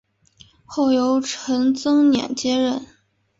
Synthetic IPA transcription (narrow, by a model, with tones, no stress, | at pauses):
xo˥˩ʊjo˧˥ʊʈ͡ʂʰə˧˥ŋt͡sɤ˥ŋnjɛ̰˨˩nt͡ɕjɛ˥ɻə˥˩n